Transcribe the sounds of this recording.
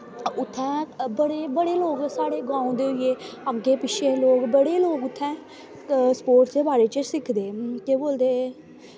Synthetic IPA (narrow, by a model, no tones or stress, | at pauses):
ʊt̪ʰːɛ̃ːbəɽeːbəɽeːloːɡsaːɽeːɡãːũd̪eːʊieːəɡeːpɪʃʰeːloːkbəɽeːloːkʊt̪ʰːɛ̃ː | spoːɾʈd͡ʒeːbaːɾeːt͡ʃəsɪkʰd̪eːk̪eːboːld̪eː